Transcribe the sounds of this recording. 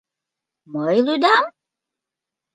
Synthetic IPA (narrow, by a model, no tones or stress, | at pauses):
məjludam